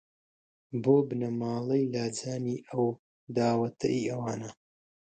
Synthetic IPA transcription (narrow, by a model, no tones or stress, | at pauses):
boːbɨnɐmaːlˠɐjlaːd͡zaːniːʔɐw | d̪aːwɐt̪ʰɐ̰ʔiɐwaːnɐ